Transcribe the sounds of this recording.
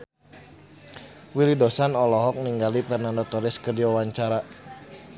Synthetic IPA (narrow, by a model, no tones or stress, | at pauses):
wilidɔsanɔlɔɦɔk̚niŋɡalipɛrnandɔt̪ɔɾɪskərdiwawaɲt͡ʃaɾa